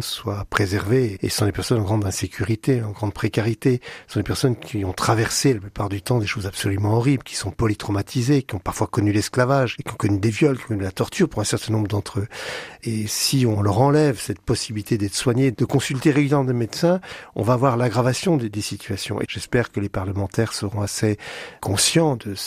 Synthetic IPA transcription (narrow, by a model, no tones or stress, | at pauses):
swapχezɛʁveḛsə̥sɔ̃lepɛʁsɔnɑ̃ɡʁɑ̃d̪ɛ̃sekʲʰyʁit̪eɑ̃ɡʁɑ̃d̪̚pχekaʁit̪esə̥sɔ̃d̪epɛʁsɔnkʲʰiɔ̃t̪χavɛʁselaplypaʁd̪yt̪ɑ̃d̪eʃozabsɔlymɑ̃ɔʁiblkʲi̥sɔ̃pɔlit̪χɔmat̪ʰizekʲiɔ̃paʁfwakɔnylɛsklavaʒkʲiɔ̃kɔnyd̪evjɔlkiɔ̃kɔnylat̪ɔʁt̪ʰyʁpuʁɛ̃sɛʁt̪ɛ̃nɔ̃mbʁəd̪ɑ̃t̪χøesiɔ̃lœʁɑ̃lɛvsɛt̪̚pɔsibilit̪ed̪ɛt̪χə̥swaɲed̪̥əkɔ̃sylt̪eʁeɡyljɛʁmɑ̃d̪emed̪sɛ̃ɔ̰̃vaːvwaʁlaɡʁavasjɔ̃d̪ed̪esit̪ʰyasjɔ̰̃ʔḛʒ̥ɛspɛʁkəlepaʁləmɑ̃t̪ɛʁsəʁɔ̃asekʰɔ̃sjɑ̃d̪ə